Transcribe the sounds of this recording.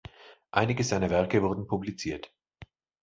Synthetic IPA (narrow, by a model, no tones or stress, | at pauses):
ʔaɪnɪɡəzaɪnɐvɛɐkəvʊɐdn̩pʰublit͡siːɐt